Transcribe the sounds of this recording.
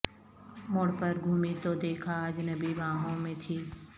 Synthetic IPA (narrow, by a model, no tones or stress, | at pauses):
mʊɽpəɾɡʱuːmit̪od̪eːkʰaːd͡ʒnɐbiʋãːɦõmẽt̪ʰiː